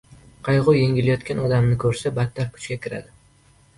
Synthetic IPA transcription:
qʰɑjʁʊje̞ŋʲɪlajɒt̪kʲanɒd̪amnɪkʰɵɾsabat̪ʰːaɾkʰʊ̥t͡ʃkʲakʲʰɪɾa̰d̪ɪ

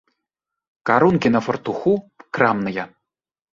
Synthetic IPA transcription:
kɑɾunkʲenɤ̆fɤ̆rt̪uxukrɑmnɤ̆jɑ

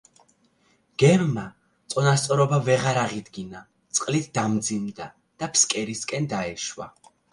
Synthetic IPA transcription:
ɡ̥ɛmma | t̪sʼɔnast̪sʼɔɾɔbavɛʁaɾaʁid̪ɡina | t̪sʼqʼlit̪ʰd̪amd̪zimd̪a | d̪̥apʰskʼɛɾiskʼɛnd̪aɛʃwa̰

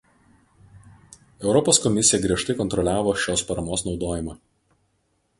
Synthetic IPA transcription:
ɛʊɾɔpoːskɔmʲɪsʲɪjɛɡɾʲiɛʃt̪ɐɪkɔnt̪ɾɔlʲæːʋoːʃʲoːspɐɾɐmoːsnɒʊd̪oːjɪmɑː

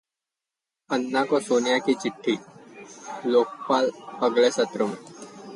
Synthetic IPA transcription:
ɐnːakosoːnɪjakit͡ʃɪʈʰːi | loːk̚paːlɐɡlesɐt̪ɾomẽ

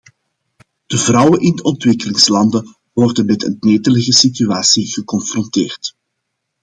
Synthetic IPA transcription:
d̥əvrɑwənʔɪndəɔntwɪkəlɪŋslɑndə | wɔrdənmɛtə̰nneːtələɣəsityaːsiɣəkɔnfrɔnteːrt

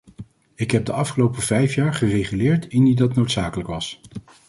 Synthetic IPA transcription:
ɪkɦɛb̚dəʔɑfχəlowpəvɛjfjaːɹχərejχylɪːɹtɪndidɑtnowtsaːkələkʋɑs

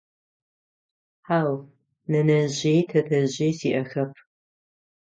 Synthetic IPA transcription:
ħaːw | nɐnɐʑejtʰɐtʰɐʑeːsiːʔɐxɐpʰ

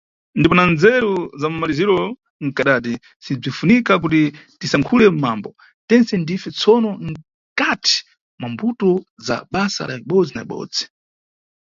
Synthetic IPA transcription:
ndipɔnand͡zɛɾuzamumaliziɾɔ | ŋ̩kaɗat̬i | sib͡ʐifunikak̬ut̬i | tisaŋkʰulɛm̩maːmbɔ | tɛnsɛndifɛt͡sʰɔnɔŋ̩ | katʰi̥ | mwambutɔza̰ɓasa̰la̰iɓɔd͡zina̰ḭɓɔ̰ːd͡zi̥

